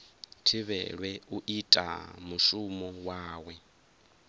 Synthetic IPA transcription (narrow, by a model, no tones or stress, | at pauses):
tʰiβɛɺwɛuʔitʼa̰muʃumɔwaːwɛ